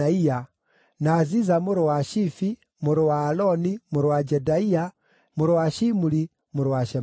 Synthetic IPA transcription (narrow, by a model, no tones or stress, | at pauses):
aija | nazizamuɾowaʃifi | muɾowaːlɔnimuɾwad͡ʒɛdaia | muɾowaʃimuli | muɾwaʃɛ